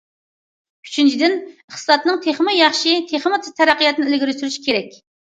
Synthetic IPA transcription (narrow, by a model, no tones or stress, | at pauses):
y̥t͡ʃʰint͡ʃʰid̪ɪnəχt̪ɨ̥sɑt̪nɨŋt̪ʰeχmɨjɑχʃit̪ʰeχmɨt̪ʰɨt̪ʰæɾæqːijɑt̪ɨnɨɪlɪɡʲiɾysyɾyʃi̥kʲʰeɾɛkʲ